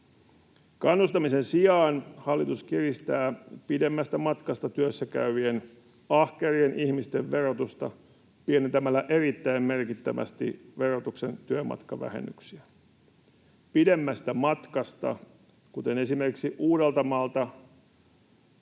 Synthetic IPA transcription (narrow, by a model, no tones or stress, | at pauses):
kɑnːust̪ɑmise̞nsiɑːnhɑlːit̪uskirist̪æːpide̞mːæst̪æmɑt̪kɑst̪ɑt̪yøsːækæ̰yʋien | ɑhkerienʔihmist̪e̞ʋʋe̞ro̞t̪ust̪ɑ̰ | pienent̪æmælːæʔe̞rit̪ːæimme̞rkit̪ːæʋæ̰st̪ḭʋe̞rot̪ukse̞̰nt̪yømɑ̰t̪kɑʋæ̰hḛnːy̰ksiæ | pide̞mːæst̪æmɑt̪kɑst̪ɑ̰ | kut̪e̞ne̞simerkiksiʔuːde̞lt̪ɑmɑːlt̪ɑ